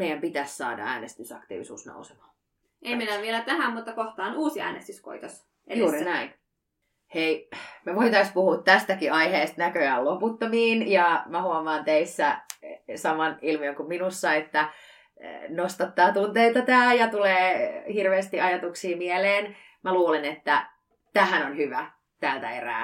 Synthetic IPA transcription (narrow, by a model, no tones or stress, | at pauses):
meijæmpit̪æssɑ̰ːdɑ̰æːnest̪ysɑ̰kt̪ḭːʋisṵːsno̰usemɑ̥ː | ʔemminæʋielæt̪æhæmmut̪ːɑkoht̪ɑːnuːsiæ̰ːnḛst̪ysko̰it̪os | ejuːɾinæin | heimeʋoit̪ɑispuhuːt̪tæst̪ækiɑiheːst̪nækøæloput̪ːomiːnjɑmæhuomɑːnt̪eisːæ | sɑmɑnilmiøŋkumminusːɑet̪ːæ | nost̪ɑt̪ːɑːt̪unt̪eit̪ɑt̪æːjɑt̪uleːhirʋeːst̪iʔɑjɑt̪uksiːmieleːn | mæluːlenet̪ːæ | t̪æːhænonhyʋæ | t̪æːlt̪æ̰ḛræ̰ː